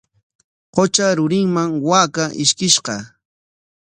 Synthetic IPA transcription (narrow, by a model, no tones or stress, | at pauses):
qot͡ʃaɾʊɾɪŋmaŋwaːkaʔɪʃkɪʃqɑ